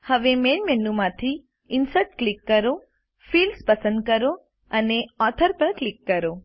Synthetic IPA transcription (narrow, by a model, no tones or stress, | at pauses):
həʋemenmenumãt̪ʰi | ɪnsəʈ̚klɪkːəɾo | fiːlspəsə̃nd̪̚kəɾo | əneɔt̪ʰəɾpəɾklɪkːəɾo